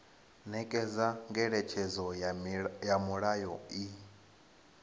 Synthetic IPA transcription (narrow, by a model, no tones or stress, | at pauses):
nɛkʼɛzaŋɡɛɺɛt͡ʃʰɛzɔ | jamuɺajɔi